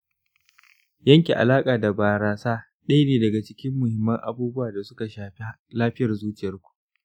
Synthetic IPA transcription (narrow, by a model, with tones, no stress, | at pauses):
jɐ˦ŋkʲe˨ʔa̰˨laː˦kʼaː˨da˨baː˨ɾaː˨saː˦ | ɗɐ˦jneː˨dɐ˨ɡa˨t͡ʃɪ˦kʲɪ˦mːʊ˨hɪ˨mːɐ˦ŋʔa̰˨buː˦bʊ˦waː˨da˨sʊ˦ka˨ʃaː˨ɸe˦laː˦ɸɪ˦jɐ˨rzuː˦t͡ʃɪ˨jɐ˦rkʷu̥˨ʔ